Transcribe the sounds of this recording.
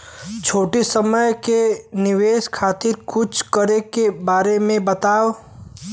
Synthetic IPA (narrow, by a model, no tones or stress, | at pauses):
t͡ʃʰoːʈisəməjkenɪʋeːʃkʰaːt̪ɪɾkʊt͡ʃʰkəɾekebaːɾemẽbət̪aːʋ